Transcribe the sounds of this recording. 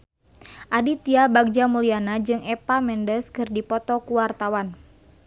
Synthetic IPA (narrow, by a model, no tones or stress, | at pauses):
ʔadit̪iabaɡ̚d͡ʒamulianad͡ʒɨŋʔɛpamɛndəskɨrdipɔt̪ɔkuwart̪awan